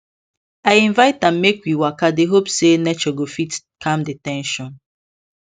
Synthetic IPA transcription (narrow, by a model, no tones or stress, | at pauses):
aɪĩnvaɪt̚ãmːekwiwakadeɦopsenɛt͡ʃɔɡofit | kʰãmdetɛ̃nʃɔ̃n